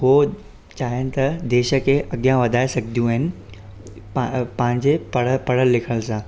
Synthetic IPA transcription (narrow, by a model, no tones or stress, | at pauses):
ɦo | t͡ɕaːɦiənɪ̆t̪ɐd̪eːʃə̆kʰeʔɐɡjãʋɐd̪ʱaːesɐɡʱd̪ʱijũɦɪnɪ̆ | pɐ̃ɦɪ̃ɲd͡ʑepɐɽəpɐɽ̤əlːɪkʰəlsãː